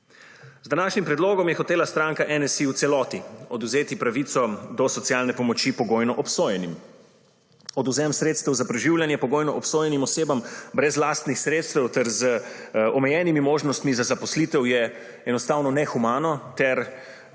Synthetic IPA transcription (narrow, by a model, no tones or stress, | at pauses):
zd̪anaːʃnimpɾɛd̪loːɡɔmjɛxɔt̪eːlast̪ɾaŋkaʔɛnɛsiut̪sɛlɔːt̪iɔd̪uzeːt̪ipɾaʋiːt̪sɔd̪ɔsɔt̪sjalnɛpɔmɔt͡ʃipɔɡoːjnɔʔɔpsoːjɛnim | ɔd̪uzɛmsɾeːt̪st̪ɛwzapɾɛʒiwljanjɛpɔɡoːjnɔʔɔpsoːjɛnimɔseːbambɾɛzlaːst̪nixsɾeːt̪st̪ɛwt̪ɛɾzəɔmɛjɛːnimimoːʒnɔst̪mizazapɔslit̪ɛwjɛ | ɛnɔst̪aːwnɔnɛxumaːnɔt̪ɛɾ